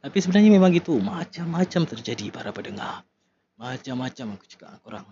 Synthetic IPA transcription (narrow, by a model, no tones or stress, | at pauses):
t̪apisəbənarɲamemaŋɡit̪umat͡ʃamːat͡ʃamt̪ərd͡ʒadipaɾapədəŋar | mat͡ʃamːat͡ʃamaku̥t͡ʃə̥ka̰ʔa̰koɾa̰ŋ